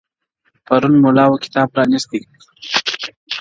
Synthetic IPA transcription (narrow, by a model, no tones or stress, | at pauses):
pɐɾunmolɑwokɪ̥t̪ɑːb̚pɾɑnist̪ik